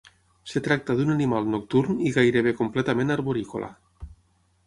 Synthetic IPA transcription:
set̪ɾak̚t̪aðunanimalnok̚t̪uɾniɣajɾeβ̞ekomplet̪amẽnaɾβoɾikolʔa̰

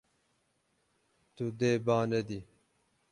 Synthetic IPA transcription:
t̪ud̪eːbaːned̪i

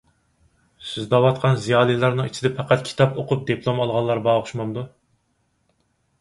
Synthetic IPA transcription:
syzd̪ɑwɑt̪qʰɑnzijɑːlˠilˠɑɾnɨŋit͡ʃʰid̪ɛpʰæqʰæt̪̚kʲʰi̥t̪ʰɑpoqʰʊp̚d̪epʰlˠomɑlˠʁɑlˠːɑɾbɑːʁʊʃmɑnd̪u

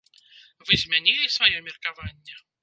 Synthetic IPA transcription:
vɨzʲmʲɛnʲilʲɪsvɐjomʲɪrkɐvanʲːɛ

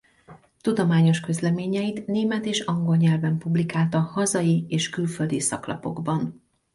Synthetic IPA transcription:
t̪ud̪o̞maːɲo̞ʃkø̞zlɛmeːɲɛjit̪neːmɛt̪eːʃɒŋɡo̞lɲɛlvɛmpublikaːlt̪ɒhɒzɒjieːʃkylføld̪isɒ̰klɒpo̞̰ɡbɒn

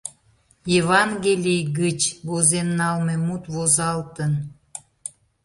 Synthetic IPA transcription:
jevɑnɡelʲijɣət͡ɕβozenːɑlmemut̪βozɑlt̪ən

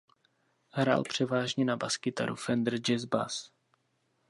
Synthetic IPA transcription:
ɦɾa̰ːlpr̝̥ɛvaːʒɲɛnabaskɪt̪a̰ɾṵfɛnd̪r̩d͡ʒɛzba̰s

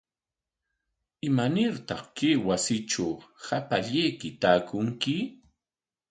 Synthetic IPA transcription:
ɪmanɪɾt̪ɑχkejwasɪʈ͡ʂahapaʎejkɪt̪aːkʊŋkɪ

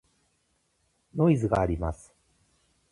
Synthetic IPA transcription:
no̞izɨɡaːɾʲimasɨ̥

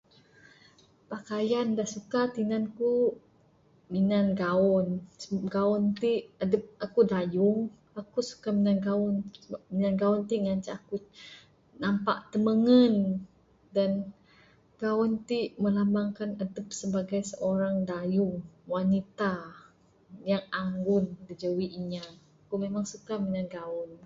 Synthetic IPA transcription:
pakajandahsukat̪inanku | minanɡaɔnsəɡaunt̪iʔadəp̚akudajʊŋ | akusu̥kaminanɡaʊnminanɡaunt̪iʔŋaɲt͡ʃaaku | nampa̰ʔt̪əməŋən | dan | ɡ̥aʊnt̪iʔməlambaŋkanadəp̚səbaɡajsəʔoɾaŋdajʊŋwanit̪a | jaŋaŋɡʊndid͡ʒəwiʔiɲaː | kumemaŋsukamənanɡaʊn

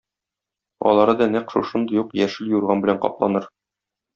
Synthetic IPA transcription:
ɒ̰lˠɑɾɤd̪ɒnæqʃuʃɤnd̪ɤjuqjæʃɘljuɾʁɑnbɘ̆læɴqɒ̰plˠɑnɤɾ

